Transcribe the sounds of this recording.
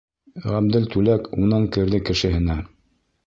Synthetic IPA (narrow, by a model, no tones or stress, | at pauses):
ʁæmd̪ɘlt̪ʉlækunɤŋkɘ̆ɾðɘkɘ̆ʃɘ̆ɦɘ̆næ